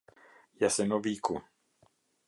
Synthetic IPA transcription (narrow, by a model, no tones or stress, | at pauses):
jasɛnoviːku